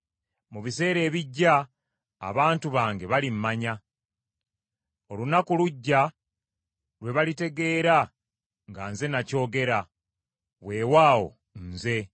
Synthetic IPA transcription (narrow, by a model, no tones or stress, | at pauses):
muβise̞ːɾe̞ːβiɟːa̰ː | βaːntuβaːŋɡe̞βalimːaɲa | o̞lunakuluɟːa | lwe̞βalite̞ɡe̞ːɾa | ŋɡanze̞naco̞ːɡe̞ɾa | βwe̞ːwaːwo̞̰ | nze̞